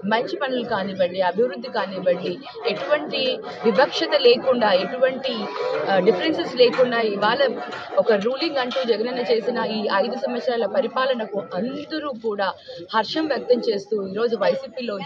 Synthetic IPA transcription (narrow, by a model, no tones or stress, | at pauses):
mɐɲt͡ʃipɐnɐlukaːniːbɐɳɖiɐbʱiʋɾud̪ːikaːniːbɐɳɖi | eʈuʋɐɳʈi | ʋibʱɐkʂɐt̪ɐle̞ːkuɳɖaːe̞ʈuʋɐɳʈiɖipʰɐɾensesle̞ːkuɳɖaːiʋaːɭɐ | ɔkɐɾuːliŋɡɐɳʈuːd͡ʒɛɡɐnɐnɐt͡ʃe̞ːsinɐiːɐjd̪usɐmɐsɾaːlɐpɐɾipaːlɐnɐkuɐnd̪ɐɾuːkuːɽaːhɐɾʂɐmʋjɐk̚t̪ɐmt͡ʃe̞ːst̪uːiːɾo̞ːd͡ʒuʋɐjsiːpiːlo̞ː